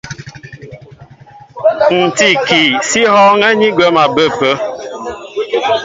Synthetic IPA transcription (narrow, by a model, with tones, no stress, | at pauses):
n̩˨ti˨ki˨si˦hɔ˦ŋɛ˦ɲi˦ɡwɛ˦ma˨bə˦˨pə˦